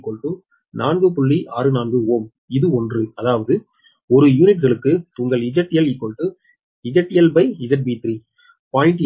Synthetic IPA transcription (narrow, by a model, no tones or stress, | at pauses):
kːɔɭʈːɯ | naːnɡɯpʊɭːiʔaːɾɯnaːnɡɯoːm | ɪðɯɔndrɯɐðaːʋɐðɯ | ɔɾɯjuːnɪʈɣɐɭɯkːɯʊŋɡɐɭɪd͡ʒɐʈːɪjɐlɪkːɔɭʈːɯ | ɪd͡ʒɐʈːɪjɐlbɐɪɪd͡ʒɐʈ̚biːt̪ɾi | paːɪɳʈ